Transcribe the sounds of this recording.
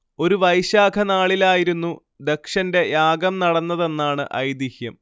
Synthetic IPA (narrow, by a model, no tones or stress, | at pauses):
o̞ɾuʋɐjɕaːɡʰʱɐnaːɭilaːjiɾunːu | d̪e̞kʂɐnde̞jaːɡɐmnɐɽɐnːɐðe̞nːaːɳɨ̰ʔɐ̰jd̪ihjɐm